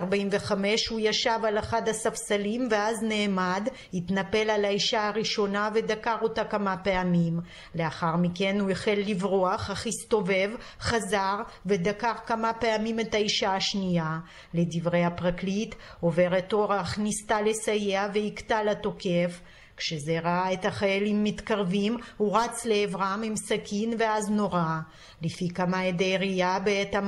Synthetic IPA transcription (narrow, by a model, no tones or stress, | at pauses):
aʁbaimveχame̞ʃhujaʃavalaχad̪hasafsalimveazne̞ːmad̪ | hit̪nape̞lalaiʃaaʁiʃo̞nave̞d̪akaʁo̞takamapeamim | le̞aχaʁmike̞nueχelːivʁoaχhaχist̪o̞ve̞vχazaʁve̞d̪akaʁkamape̞amime̞t̪aiʃaaʃnija | ledivʁejapʁaklit | o̞ve̞ʁet̪oʁaχnist̪ale̞sajeave̞hikt̪alat̪o̞kef | kʃezeʁaaet̪aχajalimːit̪kaʁvimhuʁat͡sleːvʁamimsakʰinve̞azno̞ʁa | lifikamaed̪ejʁiabeet̪a